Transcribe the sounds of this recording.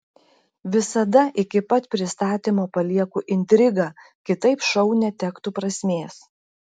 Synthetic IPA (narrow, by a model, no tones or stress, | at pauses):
ʋʲɪsɐd̪ɐʔɪkʲɪpɐt̪pʲɾʲɪst̪ɑːt̪ʲiːmoːpɐlʲiɛkuʔɪnʲt̪ʲɾʲɪɡɑː | kʲɪt̪ɐɪpʃɒʊnʲɛt̪ʲɛkt̪uːpɾɐsʲmʲeːs